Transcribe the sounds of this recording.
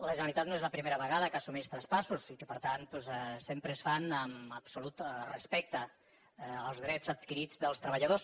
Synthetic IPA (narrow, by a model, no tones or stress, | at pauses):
ləʒənəlit̪at̪noezləpɾimeɾəβəɣaðəkasumist̪ɾəspasusikəpəɾt̪ant̪pɔzɛsempɾəsfanəməpsulut̪rəspɛk̚t̪əː | lˠzðɾɛt͡səd̪kiɾid͡zðəlˠst̪ɾəβəʎəðos